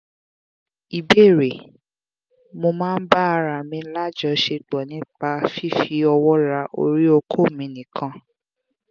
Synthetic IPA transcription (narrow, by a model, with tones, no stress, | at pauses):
i˨be˦˨ɾe˨ | mo˧mãː˦n̩˦ba˦a˧ɾa˨mĩ˧˦la˦˨d͡ʒɔ˧˦ʃe˧ɡ͡bɔ˨nĩ˨˦k͡pa˧fi˦fi˧˦ɔ˧wɔ˦ɾa˧ʔo̰˧ɾi˦o˧kʰo˦˨mĩ˨˧˦nĩ˨kʰã˧˦